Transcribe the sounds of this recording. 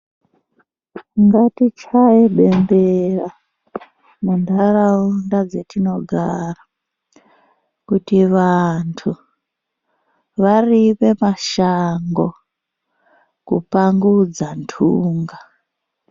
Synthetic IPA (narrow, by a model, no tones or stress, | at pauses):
ŋɡatit͡ʃaeɓe̞mbera | mundaraundad͡zetino̞ɡʱara | kutiʋantʰu | ʋaripe̞maʃaŋɡo | kṵpaŋɡud͡zantʰuːŋɡa